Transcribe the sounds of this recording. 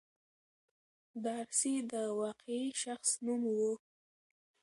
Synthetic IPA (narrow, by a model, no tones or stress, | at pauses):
d̪ɑɾsid̪əwɑqeiʃaxsnumwu